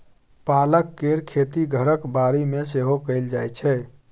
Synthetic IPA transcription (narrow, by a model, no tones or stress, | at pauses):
paləkːeɾkʰet̪iɡʱəɾəkbaɾimeseɦokəɪld͡ʒajt͡ʃʰɛ